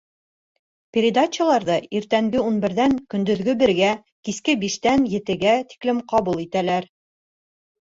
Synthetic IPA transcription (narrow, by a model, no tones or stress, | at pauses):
pʲeɾʲɪd̪at͡ɕəlˠɑɾðɤiɾt̪æŋɡɘunbɘ̆ɾðæŋkɵ̆nd̪ɵ̆ðɡɵbɘ̆ɾɡæ | kiskɘbiʃt̪ænjɘ̆t̪ɘ̆ɡæt̪i̥klɘmqɑβulˠit̪ælæɾ